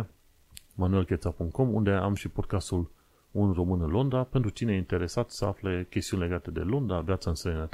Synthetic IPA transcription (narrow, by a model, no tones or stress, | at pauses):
manue̞lkʲet̪sapuŋkt̪̚ko̞mund̪e̞amʃipo̞d̪̚kast̪ul | unro̞mɨnɨnlo̞nd̪ape̞nt̪ɾut͡ʃinejint̪e̞ɾe̞sat̪səa̰flekʲest̪iunele̞ɡat̪e̞d̪e̞̰lo̞nd̪avjat̪saɨnsɾeenat̪